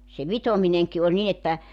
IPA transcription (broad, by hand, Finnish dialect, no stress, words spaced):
se ʋitomineŋki olʲ nin etːæ